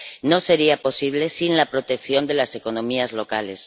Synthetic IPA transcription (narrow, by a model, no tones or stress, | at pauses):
no̞se̞ɾiapo̞siβ̞le̞sinlapɾo̞t̪e̞kθjo̞nd̪e̞lase̞konõ̞miazlo̞kale̞s